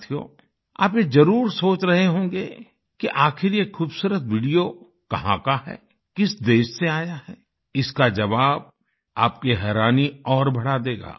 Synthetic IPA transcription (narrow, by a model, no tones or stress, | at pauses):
t̪ʰijo̰ː | a̰ːp̬jezɐɾuːɾsoːt͡ʃɾɐɦeɦõːŋɡeː | kiʔaːxɪɾjekʰuːbsuːɾət̪ʰʋiɖijo | kɐɦã̰kaɦɛ̰ː | kɪsd̪eːʃseaːjaɦɛ | ɪskad͡ʒɐʋaːb̚ | aːp̚keɦɛːɾaːniɔːɾbʱɐɽad̪eːɡa̰ː